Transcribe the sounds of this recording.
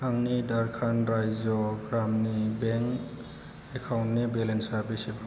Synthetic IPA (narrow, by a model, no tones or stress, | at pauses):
aŋnidaɾkʰanɾajzɔɡɾamnibeŋk | ekʰawntnibelensaɾbisiba